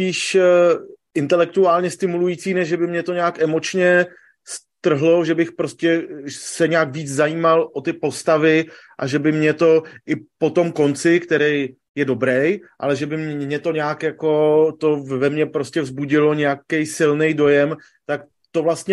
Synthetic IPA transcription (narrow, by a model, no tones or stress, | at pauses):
spiːʃ | ʔɪnt̪ɛlɛk̚t̪uaːlɲɛst̪ɪmulujiːt͡siːnɛʒʒɛbɪmɲɛt̪o̞ɲaːkʔɛmo̞t͡ʃɲɛ | s | t̪r̩ɦloʒɛbɪxpɾo̞scɛsɛɲaːkviːt͡szajiːmalʔot̪ɪpo̞st̪avɪʔaʒɛbɪmɲɛt̪o̞ʔɪpo̞t̪o̞mko̞nt͡sɪkt̪ɛɾɛj | jɛdo̞bɾɛjʔa̰lɛʒɛbɪmɲɛt̪o̞ɲaːkjako̞t̪o̞vɛmɲɛpɾoscɛvzbuɟɪlo̞ɲɛjakɛjsɪlnɛjdo̞jɛm | t̪ak̚ | t̪o̞vlast̪ɲɛ